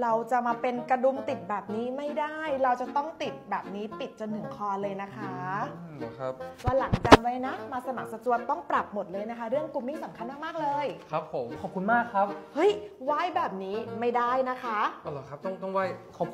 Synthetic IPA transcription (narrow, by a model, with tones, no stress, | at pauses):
ɾa˧wt͡ɕa˨˩maː˧pe˧nka˧du˧mt̪i˨˩t̪̚bɛː˨˩p̚niː˦˥ma˥˩jda˥˩jɾa˧wt͡ɕa˨˩t̪ɔ˥˩ŋt̪i˨˩t̪̚bɛː˨˩p̚niː˦˥p̪i˨˩t̪̚t͡ɕo˧nt̪ʰɯ˨˩˦ŋkʰɔː˧nlɤː˧jna˦˥kʰa˦˥˧ | kʰa˦˥p̚waː˥˩la˩˦ŋt͡ɕa˧nwa˦˥jna˦˥maː˧sa˧ma˨˩k̚sa˧t̪u˧ət̪ːɔ˥˩ŋpɾa˨˩p̚mo˨˩t̪̚lɤː˧jna˦˥kʰa˦˥ɾɯ˥˩əŋku˧mːi˥˩ŋsa˩˦mkʰa˧nmaː˥˩maː˥˩k̚lɤː˧jkʰa˦˥p̚ho˩˦mkʰɔ˨˩p̚ku˧nmaː˥˩kʰɾa˦˥p̚hɤ˦˥jwa˥˩jbɛː˨˩p̚niː˦˥ma˥˩jda˥˩jna˦˥kʰa˦˥ʔa˨˩laː˧kʰa˦˥p̚t̪ɔ˥˩ŋt̪ɔ˥˩ŋwaː˥˩jkʰa˨˩pʰ